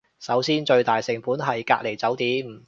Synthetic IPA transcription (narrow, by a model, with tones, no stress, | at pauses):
sɐ˨˥wsiː˥nt͡ʃɵ˧ɥt̪aː˨jsɪ˨˩ŋpuː˨˥nɦɐ˨jka̰ː˧k̚le˨˩jt͡sɐ˨˥wt̪iː˨˥m̩˨˩